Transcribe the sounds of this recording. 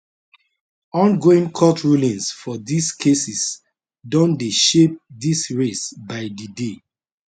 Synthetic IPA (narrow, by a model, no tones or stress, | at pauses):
ɔ̃nɡoĩŋkʰɔtɹulĩnsfɔdiskʰesis | dɔ̃ndeʃep̚disɹesbaɪdide